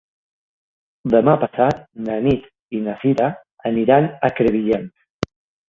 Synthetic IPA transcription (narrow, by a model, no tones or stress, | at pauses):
d̪əmapasat̪̚nənit̪ | inafiɾa | əniɾanəkɾəβiʎen